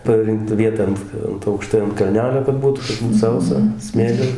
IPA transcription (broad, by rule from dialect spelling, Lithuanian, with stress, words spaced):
pɐˈrʲɪŋktɐ ʋʲiɛˈtɐ ɐnt ˈɐnt ɐʊkˈʃtɐɪ ɐnt kɐlʲˈnʲæːlʲoː kɐt ˈbuːtʊ kɐt ˈbuːt ˈsɐʊsɐ ˈsʲmʲeːlʲɪ